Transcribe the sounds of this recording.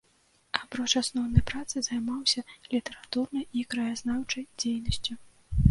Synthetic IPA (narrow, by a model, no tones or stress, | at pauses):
apɾɔt͡ʂasnɔwnɐjpɾat̪sɨzajmawsʲɐlʲit̪ɛɾat̪urnɐjikɾɐjaznawt͡ʂɐjd͡zʲejnɐsʲt͡sʲu